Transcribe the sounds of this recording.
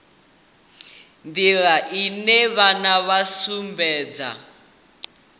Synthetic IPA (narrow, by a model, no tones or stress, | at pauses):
ndiɺaʔinɛβanaβasumbɛːd͡za̰